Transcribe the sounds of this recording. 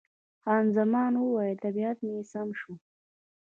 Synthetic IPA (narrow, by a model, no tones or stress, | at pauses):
hɑːnzamɑːnwəwɑjet̪abiat̪mesamʃu